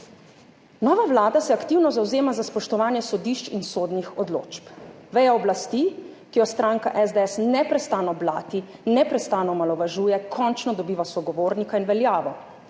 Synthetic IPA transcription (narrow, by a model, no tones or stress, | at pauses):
nɔːʋawlaːd̪asɛakt̪iwnɔzawzeːmazaspɔʃt̪ɔʋaːnjɛsɔd̪iʃt͡ʃinsoːd̪nixɔd̪lo̰ːt͡ʃp | ʋɛjaɔblast̪ikijɔst̪ɾaːŋkaʔɛzd̪ɛɛsnɛpɾɛst̪anɔbla̰ːt̪inɛpɾɛst̪aːnɔmalɔʋaʒuːjɛkʰɔnt͡ʃnɔd̪ɔbiːʋasɔɡɔʋoːɾnikainʋɛljaːʋɔ